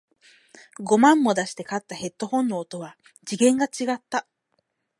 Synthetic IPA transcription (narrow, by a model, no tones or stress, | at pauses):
ɡo̞mãmːo̞d̪aɕi̥t̪e̞kat̪ːahe̞t̪ːo̞hõ̞nːoːt̪o̞βa | d͡ʑiɡẽ̞ŋɡat͡ɕiɡat̪ːa